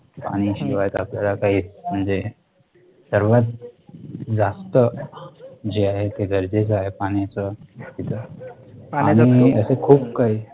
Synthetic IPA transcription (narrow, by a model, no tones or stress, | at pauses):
pa̰ɽ̃iɕiʋajt̪apljalakaɦit͡sm̤əɳd͡ze | səɾʋat̪̚ | d͡zast̪ə | d͡ʑeaɦet̪eɡʱəɾd͡zet͡səaɦepaɽ̃it͡səkit̪ə | añiəsekʰuːp̚kaɦi